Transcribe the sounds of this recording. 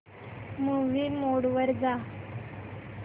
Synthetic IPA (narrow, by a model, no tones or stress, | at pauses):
muʋiːmoɽʋəɾd͡za